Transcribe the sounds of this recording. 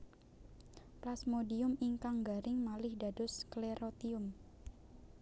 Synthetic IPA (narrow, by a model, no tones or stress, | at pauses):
plasmodiʊmiŋkaŋɡaɾʔɪŋmalɪhda̤dʊskleɾot̪iʊm